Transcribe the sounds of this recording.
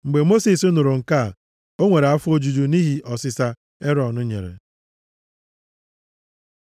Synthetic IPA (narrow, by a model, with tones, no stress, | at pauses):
ŋ͡m̩˨ɡ͡be˨mo˦si˨sʊ˦nʊ˨ɾʊ˨ŋ̩˨ka˦˨ | o˦ŋʷe˨ɾe˨a˦fo˦d͡ʒu˨d͡ʒu˨ni˦ɦi˦ʔɔ˨sɪ˦sa˦ | e˦ɾɔ˨nʊ˦ɲḛ˨ɾḛ˨